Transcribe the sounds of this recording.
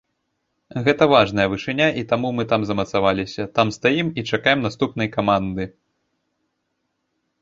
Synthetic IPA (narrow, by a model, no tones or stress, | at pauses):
ɣɛt̪ɐvaʐnɐjɐvɨʂɨnʲaʔit̪amumɨt̪amzɐmɐt̪savalʲisʲɐt̪amst̪ajimit͡ʂakajɛmnast̪upnɐjkamand̪ɨ